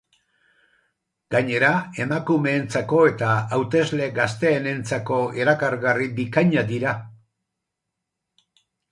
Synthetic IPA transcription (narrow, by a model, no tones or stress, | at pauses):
ɡ̥aɲe̞ɾae̞makume̞ːnt͡sako̞e̞t̪aawt̪e̞zle̞ɡast̪e̞ːne̞nt͡sako̞e̞ɾakaɾɣaribikaɲad̪iɾa